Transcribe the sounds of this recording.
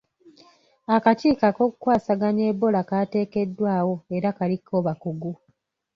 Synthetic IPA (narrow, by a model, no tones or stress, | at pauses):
akaciːkako̞ːkukwaːsaɡaɲe̞ːbo̞lakate̞ːke̞dːwaːwo̞eɾakalikʰːo̞ːβakuɡu